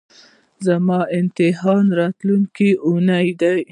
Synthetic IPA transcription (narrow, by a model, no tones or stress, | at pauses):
zamɑɪnt̪ɪɦɑnɾɑt̪luŋkiʔunajd̪aj